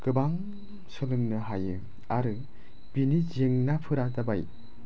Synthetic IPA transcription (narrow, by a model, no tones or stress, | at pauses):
kɯbaŋ | sɯlɯŋnɯɦajɯ | aɾɯ | b̥inizeŋnapʰɯɾadabaj